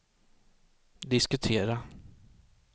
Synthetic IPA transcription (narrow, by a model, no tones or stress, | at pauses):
d̪ɪskɵt̪ʰeːɾa